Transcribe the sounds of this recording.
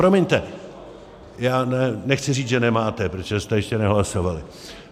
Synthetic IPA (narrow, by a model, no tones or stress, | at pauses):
pɾomiɲt̪ɛ | jaːnɛnɛxt͡sɪriːd͡zʒɛnɛmaːt̪ɛpɾot͡ʃoʒɛst̪ɛjɛʃcɛnɛɦlaso̞valɪ